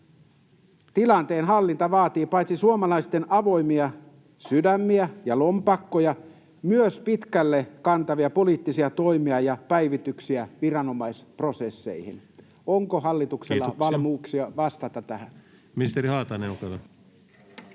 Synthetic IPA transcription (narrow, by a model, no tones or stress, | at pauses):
t̪ilɑnt̪eːnɦɑlːint̪ɑʋɑːt̪iːpɑit̪sisuomɑlɑist̪enɑʋo̞imiɑ | sydæmːiæjɑlompɑkːojɑ | myøspit̪kælːekɑnt̪ɑʋiɑpo̞liːt̪ːisiɑt̪o̞imiɑjɑpæiʋit̪yksiæʋirɑnomɑisprosesːḛihḭn | oŋkoɦɑlːit̪ukselːɑʋɑlmuːksiɑʋɑst̪ɑt̪ɑt̪æhæn | miist̪eɾihɑːt̪ɑneukɑt̪ːɑ